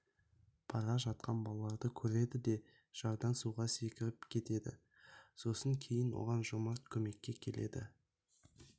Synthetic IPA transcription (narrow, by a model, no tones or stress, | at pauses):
pʰɑɾɑʒɑt̪̚qɑnbɑlˠɑlˠɑɾd̪əkʲʰɵɾe̞d̪ɪd̪e̞ | ʒ̥ɑɾd̪ɑnsuʁɑse̞kʲɪɾɪpkʲʰe̞t̪e̞d̪ɪ̰ | so̞səŋkʲʰe̞jɪnwo̰ʁɑnʒomɑɾt̪kʲʰɵme̞kʲːe̞kʲʰe̞le̞̰d̪ɪ̰